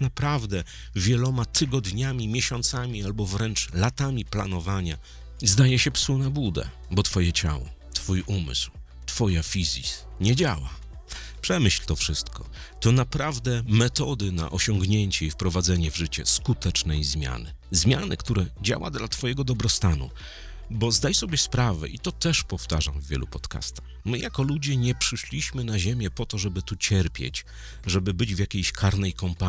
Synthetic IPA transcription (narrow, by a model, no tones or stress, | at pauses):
napɾavd̪ɛ | vʲjɛlɔmat̪ʰɘɡɔd̪ɲamʲimʲjɛɕɔnt̪samʲialbɔvɾɛnt͡ʂlat̪amʲiplanɔvaɲa | zd̪ajɛɕɛpsunabud̪ɛ̰ | bɔt̪fɔjɛt͡ɕa̰wɔ̰t̪fujʔumɘ̰sw | t̪fɔjafʲizʲis | ɲɛd͡ʑawa | pʂɛmɘɕlt̪ɔfʂɘst̪kɔ | t̪ɔnapɾavd̪ɛmɛt̪ɔd̪ɘna̰ʔɔɕɔŋɡɲeɲt͡ɕɛifpɾɔvad̪zɛɲɛvʐɘt͡ɕɛ̰skut̪ɛt͡ʂnɛjzmʲja̰nɘ | zmʲjanɘ̰kt̪uɾɛd͡ʑa̰wa̰d̪lat̪fɔjɛɡɔd̪ɔbɾɔst̪anṵ | bɔzd̪ajsɔbʲjɛspɾavɛ̰ʔit̪ɔt̪ɛʂpɔft̪aʐamvʲːjɛ̰lṵpɔt̪ka̰st̪ḁxmɘjakɔlud͡ʑɛɲɛpʂɘʂlʲiɕmɘnaʑemʲjɛpɔt̪ɔʐɛbɘt̪ut͡ɕɛɾpʲjɛ̰t͡ɕ | ʐɛbɘbɘd͡ʑvʲjakʲejɕkʰaɾnɛjkɔmpa